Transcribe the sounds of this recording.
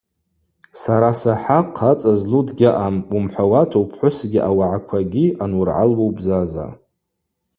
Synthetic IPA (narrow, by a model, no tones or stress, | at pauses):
saɾasaħaqʰat͡sʼazludɡʲaʔamumħʷawatʰowpʰħʷʊsɡʲiʔawaʕakʷʰaɡʲiʔanwʊrʕa̰lwowbzaza̰